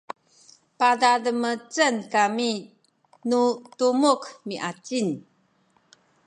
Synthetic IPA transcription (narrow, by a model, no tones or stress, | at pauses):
padadəmət͡sənkami | nutumukmiʔat͡sin